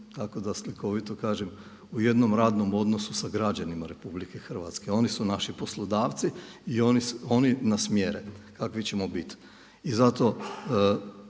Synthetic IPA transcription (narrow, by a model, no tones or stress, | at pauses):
t̪ako̞d̪asliko̞ʋit̪okaːʒem | uje̞d̪no̞mɾaːd̪no̞mo̞d̪no̞susaɡɾad͡ʑanimaɾe̞publike̞xr̩ʋa̰t̪ske̞o̞nisunaʃipo̞slˠod̪aːʋt̪siionio̞ninasmjeɾekakʋit͡ɕe̞mobit̪ | izat̪o̞